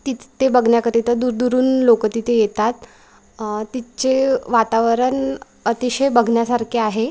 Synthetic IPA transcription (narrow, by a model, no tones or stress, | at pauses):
t̪it̪t̪ebəɡʱɳjakəɾit̪əd̪uɾd̪uɾuːnlokət̪it̪ejet̪at̪ː | it͡seʋat̪aʋəɾən | ət̪iɕəjbəɡʱɳjasaɾkʰiaɦe